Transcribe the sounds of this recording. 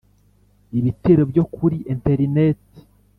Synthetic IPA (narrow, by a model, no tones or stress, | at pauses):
iβiteɾobjo̞kʰuɾiʔenteɾineti̥